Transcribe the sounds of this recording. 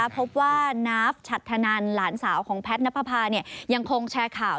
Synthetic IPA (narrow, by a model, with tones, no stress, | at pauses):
pʰo˦˥p̚waː˥˩naː˦˥f̚t͡ɕʰa˨˩t̪ʰːa˧naː˧nlaː˩˦nsaː˩˦wkʰɔː˩˦ŋpʰɛ˦˥t̪̚na˦˥pʰa˧pʰaː˧ni˥˩əja˧ŋkʰo˧ŋt͡ɕʰɛː˧kʰaː˨˩